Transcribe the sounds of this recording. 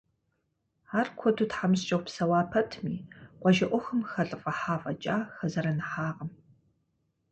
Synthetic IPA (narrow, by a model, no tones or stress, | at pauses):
aːrkʷʰɔdʰutħamɨst͡ʃʼɐwʷpsɐwaːpʰɐtʰmiːqʷɔʒɐʔʷɔxɨmxɐɬʼɨfʼɐħaːfʼɐt͡ʃʼaːxɐzɐɾɐnɨħaːʁɐm